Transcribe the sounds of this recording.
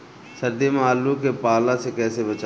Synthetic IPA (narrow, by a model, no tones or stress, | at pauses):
sɐɾd̪emaːlukepaːlãsekɛːsebɐt͡ʃa